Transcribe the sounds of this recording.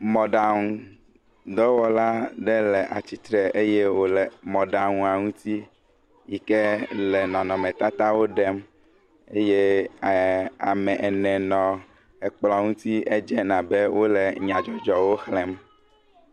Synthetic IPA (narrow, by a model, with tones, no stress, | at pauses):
mɔ̃˨ɖa˨ŋũ˨ | d̪ɔ˦wɔ˦la˦ɖɛ˦lɛ˨ʔa̰˨t͡ɕi˨t̪ɾɛ˨e˦je˦wo˦lɛ˨mɔ̃˨ɖa˨ŋũ˦a˨ŋũ˦t̪i˦ | ji˨kɛ˦lɛ˨nɔ̃˨nɔ̃˨mɛ̃˨t̪a˦t̪a˦wo˦ɖɛ˦m | e˦je˦ | a̰˨mɛ̃˨ʔɛ˨nɛ̃˨nɔ̃˨ | ɛ˨k͡plɔ˨ŋũ˦t̪i˦ʔe˦d͡ʒɛ˦nã˨be˦wo˦lɛ˨ɲã˨d͡ʒɔ˨d͡ʒɔ˨wo˦xlɛ˦m